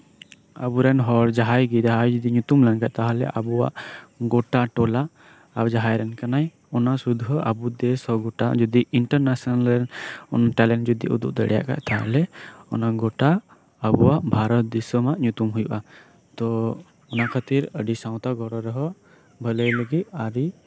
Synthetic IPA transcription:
a̰buɾɛnɦɔɾd͡ʒaɦajɡid̪aɦajd͡ʒud̪iɲut̪umlɛnkaʔ̚t̪aɦalɛ̰ʔabua̰ʔɡɔʈaʈɔla | aɾd͡ʒaɦajɾɛnkanaj | ɔnasud̪ʱɦɔʔabud̪ɛshɔɡɔʈa̰d͡ʒɔd̪iiɳʈəɾnasɔnalɾɛnɔnaʈalɛnʈd͡ʒɔd̪ḭʔṵd̪uk̚d̪əɽɛ̰ja̰ʔka̰ʔt̪aɦalɛɔ̰naɡɔʈa | abuwaʔbʱaɾɔt̪̚d̪isɔmaʔɲut̪umɦujuʔa | t̪ɔ | ɔnakʰat̪iɾəɖisãw̃t̪aɡɔɾɔɾɔɦɔʔ | bʱələjləɡit̪̚aɾi

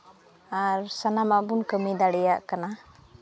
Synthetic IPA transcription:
aɾsanamaʔbunkəmid̪aɽɛjaʔkana

